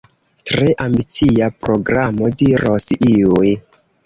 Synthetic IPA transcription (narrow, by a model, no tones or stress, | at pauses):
tɾe̞ʔambit͡siapɾo̞ɡɾamodiɾo̞siuj